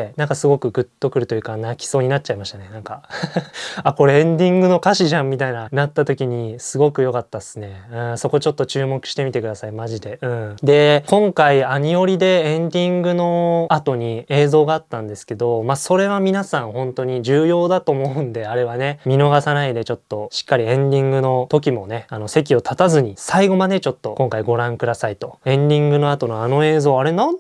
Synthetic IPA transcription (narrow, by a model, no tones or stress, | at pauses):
nãŋkasɨɡo̞kɯ̟ɡɯ̟t̪ːo̞kɯ̟ɾɯ̟t̪o̞jɯ̟kanakʲi̥so̞ːɲ̟inat̚t͡ɕaimaɕi̥t̪ane̞nãŋka | ako̞ɾe̞ẽnd̪ʲĩŋɡɯ̟no̞kaɕiʑãmːʲit̪ainanat̪ːat̪o̞kʲiɲ̟isɨɡo̞kɯ̟jo̞kat̪ːasɨne̞ɯ̟̃so̞ko̞t͡ɕo̞t̪ːo̞t͡ɕɨːmo̞kɯ̟ɕi̥t̪e̞mʲit̪e̞kɯ̟d̪asaimaʑid̪e̞ɯ̟̃ɴd̪e̞kõ̞ŋkaiaɲ̟io̞ɾʲid̪e̞ẽnd̪ʲĩŋɡɯ̟no̞at̪o̞ɲ̟ie̞ːzo̞ːɡaːt̪ːãnd̪e̞sɨ̥ke̞d̪o̞maso̞ɾe̞βamʲinasãɰ̃hõ̞nt̪o̞ɲ̟iʑɨːjo̞ːd̪at̪o̞ːmo̞ɯ̟̃nd̪e̞aɾe̞βane̞mʲino̞ɡasanaid̪e̞t͡ɕo̞t̪ːo̞ɕi̥kːaɾʲiẽ̞nd̪ʲĩŋɡɯ̟no̞t̪o̞kʲimo̞ne̞ano̞se̞k̬ʲio̞t̪ʰat̪azɨɲ̟isaiɡo̞mad̪e̞t͡ɕo̞t̪ːo̞̰kõ̞ŋkaiɡo̞ɾãŋkɯ̟d̪asait̪o̞ẽ̞nd̪ʲĩŋɡɯ̟no̞at̪o̞noano̞e̞ːzo̞ːaɾe̞na